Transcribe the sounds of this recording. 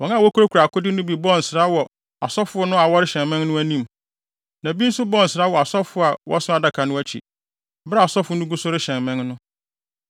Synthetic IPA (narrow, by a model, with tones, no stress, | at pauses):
wɔ̃˨nã˦˨wɔ˦kʰu˦ɾo˦kʰu˨ɾa˨kʰʊ˦dɪ˦nʊ̃˦bi˨bɔ˦˨n̩˨sɪ˨ɾa˦wɔ˨ | a̰˨sɔ˦fʊ˦ɔ˦nʊ̃˦a˨wɔ˦ɾɪ˦ɕɛ̃˨nmɛ̃˦nnʊ̃˦æ˦nĩ˦˨m | nã˨bi˦n̩˦sʊ˦bɔ˦n̩˨sɪ˨ɾa˦wɔ˨a˨sɔ˦fʊ˦a˨wʔɔ̰˦sʊ̃˦a˦da˦kʰa˨nʊ̃˦æ˦t͡ɕʰḭ˨ | bɾa˦˨a˨sɔ˦fʊ˦nʊ̃˦ɡu˦sʊ˦ɾɪ˦ɕɛ̃˨nmɛ̃˦ŋnʊ̃˦